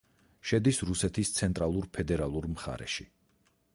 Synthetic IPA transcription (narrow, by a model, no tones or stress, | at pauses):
ʃɛd̪isɾusɛt̪ʰist̪sʰɛnt̪ʼɾalˠuɾpʰɛd̪ɛɾalˠuɾmχa̰ɾɛ̰ʃi